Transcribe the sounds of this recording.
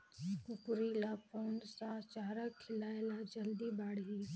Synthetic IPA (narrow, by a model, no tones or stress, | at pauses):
kʊkɾilaːfoːnsat͡ʃaːɾakʰɪlaelad͡ʒɐld̪ibaːɽɦi